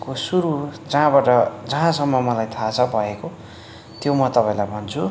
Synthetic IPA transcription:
kosuɾud͡zʌɦãbaʈʌd͡zʌɦãsʌmːʌmʌlajt̪ʰat͡sʰʌbʱʌeko | t̪jomʌt̪ʌpaĩlajbʱʌnt͡sʰu

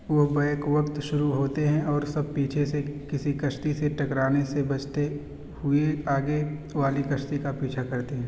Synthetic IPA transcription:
ʋobɐːkʋɐkt̪ʃʊɾuɦoːt̪eɦɛ̃ɔːɾsɐb̚piːt͡ʃʰesekɪsikɐʃt̪iseʈɐkɾaːnesebɐt͡ʃt̪e | hʊeaːɡeʋaːlikɐʃt̪ikapiːt͡ʃʰakɐɾt̪eɦɛ̃ː

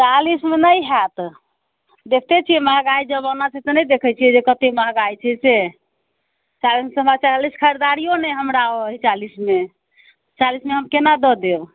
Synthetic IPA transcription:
t͡ʃalismenəjɦat̪ | d̪ekʰt̪et͡ʃʰijɛmaɦɡaid͡ʒəbanat͡ʃʰɛt̪ɔnəjd̪ekʰət͡ʃʰijɛd͡ʒekət̪emaɦɡajt͡ʃʰɛse | t͡ʃalismesəmbat͡ʃaliskʰəɾed̪aɾijonɛɦəmɾaoəɦit͡ʃalisme | t͡ʃalismeɦəmkenad̪əd̪eɾ

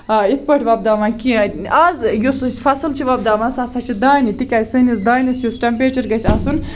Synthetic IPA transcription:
it̪̚ʰpəʈʰʲʋɐb̚d̪aːmakiaːzjosɨsfɐsɨlt͡ʃʰiʋɐb̚d̪aːmasasɐt͡ʃʰid̪aːnit̪ikʲaːjsɨnisd̪aːnʲisjosʈɐmpeːʈɐɾɡɐsʲɐsun

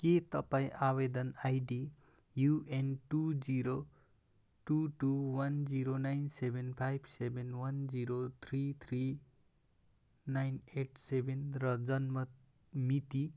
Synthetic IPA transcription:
ket̪ʌpaĩʔaβed̪ʌnajɖi | juʔenʈud͡ziɾo | ʈuʈuwʌnd͡ziɾonajnsebʱenpʰajbʱsebʱenwʌnd͡ziɾot̪ʰrit̪ʰri | najneʈʰsebʱenrʌd͡zʌnmʌ | mit̪i

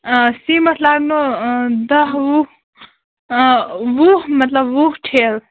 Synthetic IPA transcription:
simʌʈʰlaɡnod̪ʌɦu | wuɦmʌt̪ləbːuɦʈʰeːl

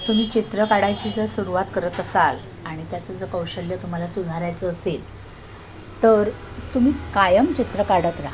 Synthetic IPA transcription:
t̪um̤iːt͡ɕit̪ɾəkaɽajt͡ɕiːd͡zəsuɾuʋat̪kəɾət̪əsal | aɽ̃it̪jat͡səd͡zəkəwɕəljət̪əməlasud̪ʱaɾajt͡səːsel | t̪əɾ | t̪um̤iːkajəmt͡ɕit̪ɾəkaɽət̪ɾaɦ

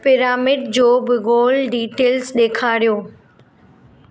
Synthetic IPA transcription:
pɪɾaːmɪɖd͡ʑoːbɪɣoːlɖiːʈeːlzɗeːkʰaːɾijoː

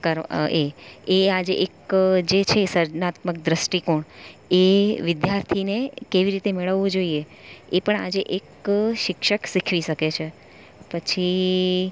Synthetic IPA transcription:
kəɾeead͡ʒeʔekd͡ʒet͡ʃʰesəɾd͡ʒnat̪mək̚d̪ɾəsʈikoɳeʋɪd̪jaɾt̪ʰinekeʋiɾit̪emeɭəʋːõd͡ʒoie | epəɳad͡ʒeʔekʃɪkʃəksikʰʋiʃəket͡ʃʰe | pət͡ʃʰi

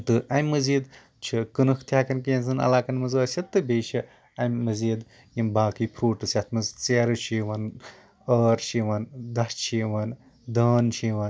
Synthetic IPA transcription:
t̪ɨʔɐmʲmːɐziːd̪ | t͡ʃʰikɨnɨkʰt̪ʰʲjaːkɐnkinzɨnɐ̰laːkɐnmɐzəːsʲɐt̪ːɨbeːʃi | ɐmmːɐziːd̪ | jimbaːkɨjpʰɾoːʈɨsʲat̪ʰmɐzt͡seːɾɨʃʰiːʋɐn | ɐːɾʃiʋɐnd̪ɐst͡ʃʰiːʋɐn | d̪ɐːnt͡ʃʰiːʋɐn

